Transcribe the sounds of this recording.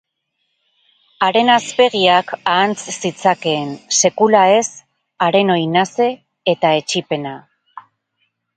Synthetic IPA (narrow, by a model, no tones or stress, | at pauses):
aɾe̞naspe̞ɣ̞iakaːnt͡ssit͡sake̞ːnse̞kulae̞s | aɾe̞no̞jnase̞ː | t̪ae̞t͡ʃipe̞na